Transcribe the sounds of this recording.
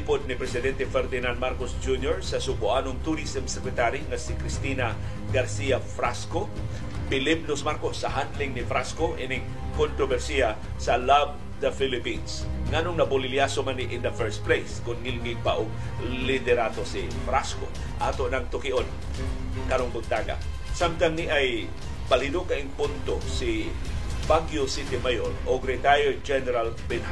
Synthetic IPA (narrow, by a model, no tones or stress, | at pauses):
pod̪̚nɪpɾɛsɪd̪ɛnt̪ɛfɛɾd̪ɪnand̪̚maɾkosd͡ʒunjoɹsɐsʊbʊʔanoŋt̪ʊɾisɛmsɛkɾɛt̪aɾiŋasɪkɾɪst̪ina | ɡaɾsiafɾasko | pɪlɪp̚nosmaɾkosːɐhanlɪŋnɪfɾaskoʔɪnɪŋ | kont̪ɾobɛɾsia | sɐlav | d̪ɐfɪlɪpinsŋanʊŋnɐbʊlɪljasomanɪʔɪnd̪ɐfɛɹst̪̚plejskʊnŋɪlŋɪpaʔoɡ̚ | lɪd̪ɛɾat̪osɪ | fɾasko̰ | ʔaːt̪oʔnɐŋt̪ʊkɪʔon | kɐɾoŋbʊɡ̪̚t̪aːɡa̰ | samt̪anniʔaj | palɪnʊkaʔɪŋpʊnt̪osɪ | baɡjosɪt̪ɪmajoloɡɾɛt̪ajoɪd͡ʒɛnɛɾalbɛnha